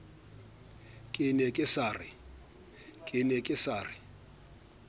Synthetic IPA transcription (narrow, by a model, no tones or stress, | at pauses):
kʼɪnɛkʼɪsaːrɪ | kʼɪnɛkʼɪsaːrɪ